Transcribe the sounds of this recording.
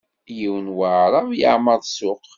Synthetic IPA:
jiwənwəʕɾˤɑvjə̰ʕməðˤsʊq

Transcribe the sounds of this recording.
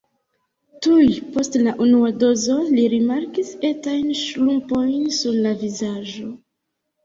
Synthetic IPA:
tujpo̞stlaʔunuado̞zo̞liɾimaɾkise̞tajnʃlumpo̞jnsuɾlavizad͡ʒo̞

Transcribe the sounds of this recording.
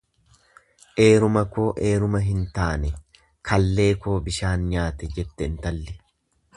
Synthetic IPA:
ʔe̞ːɾʊmɐkoːʔe̞ːɾʊmɐɦɪnt̪aːnɛ | kʰɐlːe̞ːko̞ːbɪʃaːnɲaːt̪ɛd͡ʒɛt̪ːɛnt̪ɐlːɪ

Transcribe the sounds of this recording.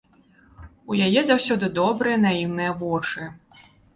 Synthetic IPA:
ujajɛzawsʲɔd̪ɨd̪ɔbɾɨjɐnaiwnɨjɐvɔt͡ʂɨ

